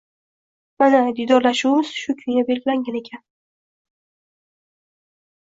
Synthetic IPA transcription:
manad̪ijd̪ɒɾlaʃuwɪmɪz̥ʃʊkʲʰʊjnabe̞lɡʲɪlaŋɡʲane̞kʲʰan

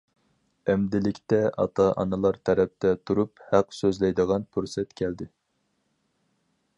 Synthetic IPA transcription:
ɛmd̪ɪlɪkʲt̪ɛʔɑ̰t̪ʰɑʔɑ̰nɨlˠɑɾt̪ʰɛɾɛp̚t̪ʰɛt̪ʰuɾuphæqsøzlɛjd̪əʁɑnpʰuɾsɛt̪kʲʰɛld̪ɪ

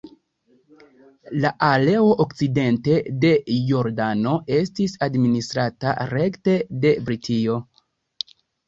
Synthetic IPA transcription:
laʔale̞o̞ʔokt͡side̞nte̞de̞jo̞ɾdano̞e̞stisadministɾata̰ɾe̞kte̞de̞bɾitʰio̞

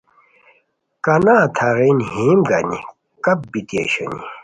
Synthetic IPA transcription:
kɐnaːt̪ʰaʁenhiːmɡɐnḭ | kɐp̚bit̪jḛɕɐ̰ni

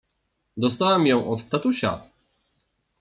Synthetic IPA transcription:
d̪ɔst̪awɛmjɔ̃w̃ʔɔt̪t̪ːat̪uɕa̰

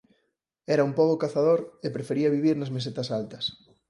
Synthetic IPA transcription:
ɛɾɐumpoɣokaθað̞oɾepɾefeɾiɐβiβ̞iɾnɐzmes̬et̪ɐsalt̪ɐs

